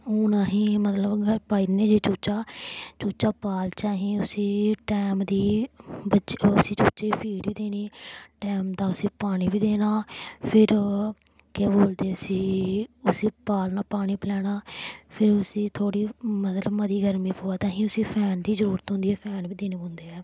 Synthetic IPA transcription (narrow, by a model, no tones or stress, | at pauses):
oːnãːɦĩːmət̪ləbɡəɾpaːineːd͡ʒeːt͡ʃuːt͡ʃaːt͡ʃuːt͡ʃaːpaːlt͡ʃaːɦĩːʊsĩːʈɛːmd̪iːbət͡ʃʊsĩːt͡ʃuːt͡ʃeːiːpʰiːɖʋiːd̪eːniːʈɛːmd̪ãːʊsĩːpaːɽ̃iːbiːd̪eːnaːpʰɪɾ | keboːld̪eːʊsĩːʊsiːpaːlnaːpaːɽ̃iːpəlɛːɽaːpʰɪɾʊsĩːt̪ʰoːɽiːmət̪ləbməd̪iːɡəɾmiːpoːaːt̪ãːɦĩːʊsĩːpʰɛːnd̪iːzəɾuːɾət̪ɦʊ̃nd̪iːɛːpʰɛːnbiːd̪eːneːbõːnd̪eːɛː